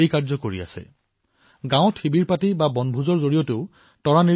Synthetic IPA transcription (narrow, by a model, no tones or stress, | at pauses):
ejkaɹzɔkoɹḭa̰sɛ̰ | ɡãʊ̃tʰibiɹpatibabɔnbʱuzɔɹzoɹijoteʊ | tɔɹani